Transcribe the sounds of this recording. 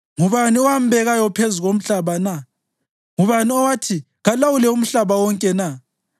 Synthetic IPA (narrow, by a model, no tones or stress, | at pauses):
ŋuβaniɔwam̩bʱɛɣajɔpʰezuɣom̩ɬaβana | ŋuβaniɔwatʰi | ɣalawulɛum̩ɬaβawɔŋkʼɛna